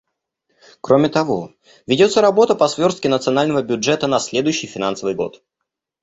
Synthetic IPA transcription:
kɾo̞mʲɪt̪ɐvo̞ | vʲɪdʲo̞t̪sːəɾɐbo̞t̪əpɐsvʲo̞rst̪kʲɪnət̪sɨɐnalʲnəvəbʲʊdʐɛt̪ənɐsʲlʲe̞d̪ʊjʉɕːɪjfʲɪnansəvɨjɡo̞̰t̪

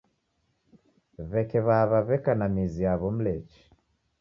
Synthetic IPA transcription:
βɛkɛβaβaβɛkanamiziaβɔm̩lɛt͡ʃi̥

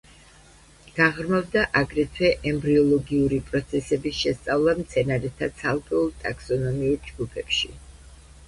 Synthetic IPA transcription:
ɡ̥aʁɾmavd̪aʔaɡɾɛt̪ʰwɛʔɛmbɾiɔlˠɔɡiuɾipʼɾɔt̪sʰɛsɛbisʃɛst̪sʼavlˠamt̪sʰɛnaɾɛt̪ʰat̪sʰalˠkʼɛulˠt̪ʼakʰsɔnɔmiuɾd͡ʒɡupʰɛpʃi

